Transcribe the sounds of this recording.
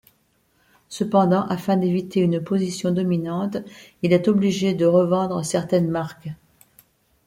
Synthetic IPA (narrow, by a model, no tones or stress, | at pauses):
səpɑ̃d̪ɑ̃ʔafɛ̃d̪evit̪eynpozisjɔ̃d̪ɔminɑ̃t̪ilɛt̪ɔbliʒed̪əʁəvɑ̃d̪ʁəsɛʁt̪ɛnmaʁk